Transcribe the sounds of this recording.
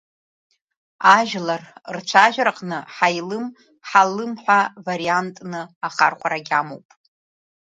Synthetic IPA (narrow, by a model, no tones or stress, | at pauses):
aʒlarrt͡ʃʷʰaʒᶣɾaqʼnɨħajlɨm | ħalɨmħʷᶣavaɾiantʼnɨaχa̰rχʷaɾaɡʲamowpʼ